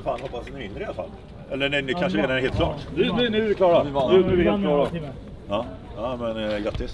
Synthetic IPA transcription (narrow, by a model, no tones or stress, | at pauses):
faːnhɔpːasɛnɛmɪnd̪ɾəɪalafa̰lː | ɛlːənɛnɪkʰanʂəleːd̪aɾɛheːlt̪kʰlɑːʈd̪ʉnɪnɪklɑːɾanɪlɑːɾa | ɑː | amɛnɡɾat̪ːɪs